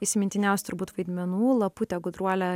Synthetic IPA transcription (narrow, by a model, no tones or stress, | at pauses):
ɪsʲɪmʲɪnʲt̪ʲɪnʲɛˑʊsʲt̪ʊɾbuːt̪ʋɐɪd̪ʲmʲɛnuːlˠɐput̪ʲɛɡʊd̪ɾuɔlʲɛ